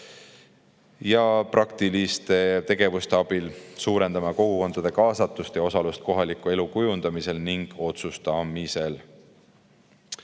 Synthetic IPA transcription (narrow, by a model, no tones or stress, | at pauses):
jɑprʔɑkt̪ilist̪e̞t̪e̞ɡ̥e̞vust̪e̞ɑb̥ilsuːɾe̞nd̪ɑmɑko̞ɡ̥uko̞nd̪̥ɑd̪̥e̞kɑːsɑt̪ːˑust̪jɑo̞sɑlust̪̚ko̞ɦɑlikːˑue̞lukujund̪̥ɑmise̞lniŋɡ̥o̞t̪sust̪ɑmise̞l